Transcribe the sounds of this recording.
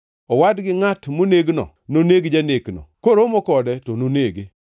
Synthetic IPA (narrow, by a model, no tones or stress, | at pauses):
ɔwadɡɪŋatmoneɡnɔ̰ | noneɡd͡ʒaneknɔ̰koɾomɔkɔdɛtɔnoneɡe